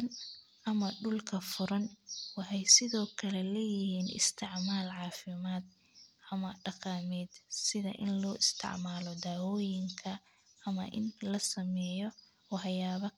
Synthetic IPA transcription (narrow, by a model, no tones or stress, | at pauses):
n | ʔɐmɐɖʊlkʰɐfʊɾɐnwɑħɑjsɪðɔːkʰɐlɛlɐjɪɪhiːnɪ̰st̪ʰɪʕmaːlʕɑːfɪmaːd̪̚ | ʔɐmɐɖɑqɑːmɛːd̪sɪðɐ̰ʔɪ̰nlɔːʔɪst̪ʰɪ̰ʕmaːlɔd̪aːwɔːjɪŋkʰɐ | ɐmɐ̰ʔɪ̰nlɐsɐmɛːjɔ | wɑħjaːβɐ